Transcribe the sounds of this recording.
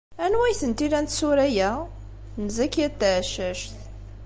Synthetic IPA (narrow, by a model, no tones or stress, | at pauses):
ænwæjθənt̪ilænt̪suɾæjæ | nzækːæt̪ːæʕʃæʃt̪